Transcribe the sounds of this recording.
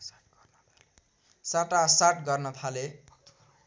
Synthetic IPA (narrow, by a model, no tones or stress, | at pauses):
saʈasaʈɡʌrnʌt̪ʰale